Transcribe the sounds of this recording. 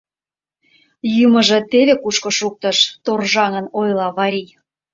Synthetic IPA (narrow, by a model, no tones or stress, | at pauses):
jumə̆ʒĕt̪eβekuʃkŏʃuk̚t̪ə̆ʃt̪orʒɑŋənojlɑβɑɾʲij